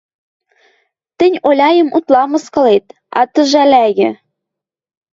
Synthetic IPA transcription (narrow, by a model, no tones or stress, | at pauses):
t̪ɘ̆nʲolʲɑjə̆mut̪lɑmɤ̆skɤ̆let̪ | ɑ̰t̪ə̆ʒælæɣɘ̆